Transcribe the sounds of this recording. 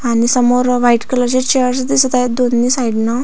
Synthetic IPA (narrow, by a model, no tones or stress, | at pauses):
anisəmoɾʋaiʈkələt͡ɕet͡ɕeəɾs̬ud̪isud̪ajd̪onːiːsaiɽna